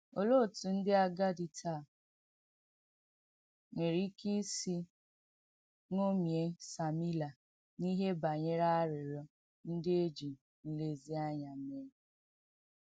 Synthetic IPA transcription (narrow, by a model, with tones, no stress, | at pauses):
o˨lo˦˨tu˨n̩˦dɪ˦a˦ɡa˦di˨tʰa˦˨ | ŋʷe˨ɾi˦ki˦si˦ | ŋo˦mje˨sa˨mi˦la˨ | ni˦ɦe˦ba˨ɲe˦ɾa˦a˦ɾɪ˨ɾɔ˦ | n̩˦dɪ˦e˦d͡ʒi˨ | n̩˦le˦zi˦a˦ɲa˨m̩˦me˦